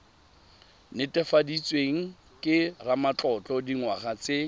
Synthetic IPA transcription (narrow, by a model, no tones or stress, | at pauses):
nɪtʼɛfadit͡sʼweŋ̩ | kʼɪramat͡ɬʼɔt͡ɬʼɔdiŋwaχat͡se